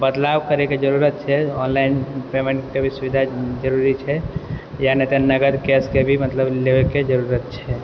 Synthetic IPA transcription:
bəd̪lawkəɾeked͡ʒəɾuɾət̪̚t͡ʃʰɛɔnlaɪnpemeɳʈkebʱisubid̪ʱad͡ʒəɾuɾit͡ʃʰɛjanet̪enəɡəd̪kɛskebʱimət̪ləblebeked͡ʒəɾuɾət̪̚t͡ʃʰɛ

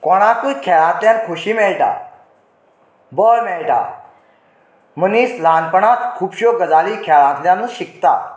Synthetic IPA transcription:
kɔɽ̃ak̪ujkʰɛɭãt̪jãnkʰoɕiːmɛɭʈa̰ | bəɭmɛɭʈa̰ | məniːslanpəɳat̪kʰupɕokəd͡zaliːkʰɛɭãt̪ljãnəɕikt̪a̰

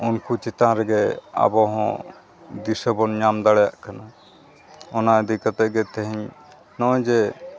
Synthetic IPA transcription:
unkut͡ʃit̪ãɾɛɡɛa̰bɔɦɔ̰̃ | d̪isəbɔnɲamd̪aɽɛjaʔkana | ɔnaəd̪ikɔt̪ɛʔɡɛt̪ɛɦiɲ | nɔ̃d͡ʒɛ

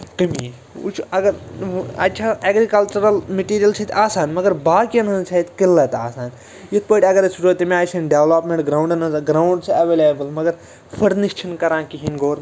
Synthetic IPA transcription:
kimi | ṵt͡ʃʰuɐɡɐɾɐ̰tːt͡ʃʰaːeːɡɾikɐlt͡ʃuɾɐlmeʈiːɾijɐlt͡ʃʰɐt̪ʰaːsaːnmɐɡɐɾbaːkiɐnɐ̃nt͡ʃʰɐt̪kilːɐt̪aːsaːn | jit̪̚ʰpəːʈʲiɐɡɐɾsʰuɾot̪imʲaːjsʰɐnʈɖeʋlaːpmẽɳʈɡɾaːwɳɖɐnɐɡɾaːuɳɖsʰɐʋeːleːbɐlmɐɡɐɾ | fʰɐɽniʃt͡ʃʰinkɐɾãːkiɦinɡoːɾ

